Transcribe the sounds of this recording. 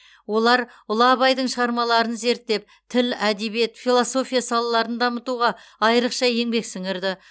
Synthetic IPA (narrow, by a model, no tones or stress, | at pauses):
wo̞lˠɑɾ | ʊlˠɑːbɑjd̪əɴʃəʁɑɾmɑlˠɑɾənze̞ɾt̪ːe̞p̚ | t̪ʰɪlæd̪e̞be̞t̪filˠoso̞fʲijasɑlˠɑlˠɑɾənd̪ɑmət̪uʁɑɑjɾəqʃɑje̞ŋbe̞ksɪŋɪɾd̪ɪ